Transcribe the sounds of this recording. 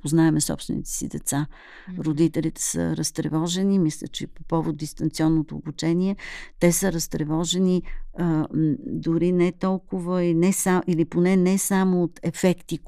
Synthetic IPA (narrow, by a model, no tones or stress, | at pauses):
poznaɛmɛsɔ̰pst̪vɛ̰nḭt̪ɛ̥sḭd̪ɛt̪sa | ɾod̪it̪ɛlit̪ɛ̥sə̰ɾəst̪ɾɛ̰vɔʒɛnimislʲə̰t͡ʃɛpopɔvot̪̚d̪ist̪ɐnt̪siɔnːot̪oːbut͡ʃɛniɛt̪ɛsəɾəst̪ɾɛvɔʒɛniəd̪ʊɾinɛt̪ɔlˠkʊvəinɛsailiponɛnɛsamoːt̪ɛfɛkt̪i